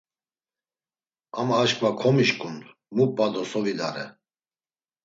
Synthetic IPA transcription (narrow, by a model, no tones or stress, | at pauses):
amaːʃkʼvakʰɔmiʃkʼund̪ | mupʼad̪ɔsɔvila̰ɾɛ̰